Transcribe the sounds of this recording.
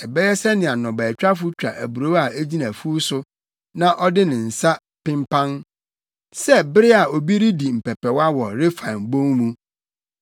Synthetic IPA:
ɛ˨bɛ˦jɛ˦sɛ˦nɪ̃˨a˨nɔ̃˨bɛ˨t͡ɕᶣa˦fʊ˦t͡ɕᶣa̰˨ʔæ˨bu˨ɾo˦a˨æ˦d͡ʑi˦nã˨fu˦sʊ˦ | nã˦ʔɔ˦dɪ˦nɪ̃˨n̩˨sa˦ | pɪ̃˦mpʰã˦n | sɛ˦bɪ˦ɾɪ˦a˨o˨bi˦ɾi˦di˨m̩˨pʰɛ˨pʰɛ˨wa˦wɔ˨ɾe˦fã˨mbõ˦ŋmũ˦

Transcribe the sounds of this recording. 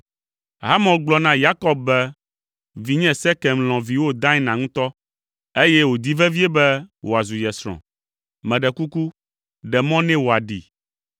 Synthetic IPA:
ɦa˦mɔ̃˨ɡ͡blɔ˦nã˦ja˦kɔ˦b̚bɛ˦ | vi˨ɲɛ̃˦sɛ˦kɛ˨mlɔ̃˨vi˨wo˦d̪ã˦ɛ˦nã˨ŋũ˦t̪ɔ˦ | e˦jɛ˦wo˨d̪i˦vɛ˦vi˦e˦bɛ˦wʔo˨a˨zu˨jɛ˨sɾɔ̰̃˨ | mɛ̃˨ɖɛ˨ku˦ku˦ | ɖɛ˨mɔ̃˦nɛ̃˦wo˨a˨ɖi˨

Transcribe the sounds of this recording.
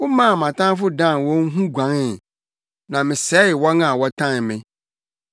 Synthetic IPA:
wʊ˦mã˦˨mã˨tʰã˦fʊ˦dã˦˨n˨wɔ̃˦ŋ̩˦ɦũ˦ɡʷã˨˦ŋɪ˨ | nã˨mɪ̃˨sɛ˨˦˨wɔ˦nã˨wɔ˦tʰã˦˨n˨mɪ̃˨

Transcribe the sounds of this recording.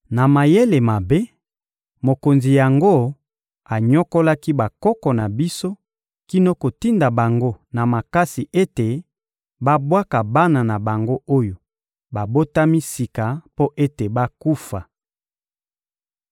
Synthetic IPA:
na˨ma˨je˦le˨ma˨be˦ | mo˨ko˨nzi˨ja˨ŋɡo˦ | a˨ɲɔ˦ko˦la˦ki˦ba˨kɔ˦kɔ˨na˨bi˦so˦ | ki˦no˦ko˨ti˦nda˨ba˨ŋɡo˦na˨ma˨ka˦si˨ʔe˦te˨ | ba˦bwa˦ka˨ba˦na˨na˨ba˨ŋɡo˦o˦jo˨ | ba˨bo˦ta˦mi˦si˨ka˨po˦ʔe˦te˨ba˦ku˦fa˨

